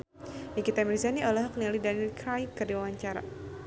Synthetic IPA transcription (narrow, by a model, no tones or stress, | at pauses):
jakit̪amɾizaniɔlaɦaknialidanilkɾajkːɨrdiwawaɲt͡ʃaɾa̰